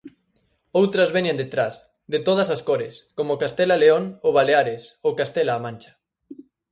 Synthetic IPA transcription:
owt̪ɾɐzβɛɲend̪et̪ɾas | d̪et̪oð̞ɐsaskoɾeskomokast̪ɛlaleoŋoβaleaɾesokast̪ɛlaːmãnʲt͡ʃɐ̥

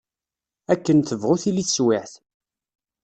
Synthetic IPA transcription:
ækːənθəvʁʊθiliθswɪħθ

